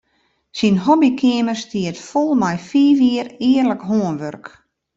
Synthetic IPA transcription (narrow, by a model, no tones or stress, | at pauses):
sinɦɔbikʰɪəmərstiətfolˠmɛjfiːʋiəɾɪərləkɦoənʋørk